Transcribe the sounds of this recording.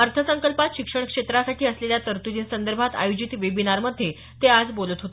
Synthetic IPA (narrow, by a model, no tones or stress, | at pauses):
əɾt̪ʰəsəŋkəlpat̪ɕikʂəɳ̃kʂet̪ɾasaʈʰiːəsleljat̪əɾt̪ud͡ʑ̪iːnsənd̪əɾbʱat̪a̰jod͡ʑit̪ʋebinaɾməd̪ʱːje | t̪ead͡zbolət̪ɦot̪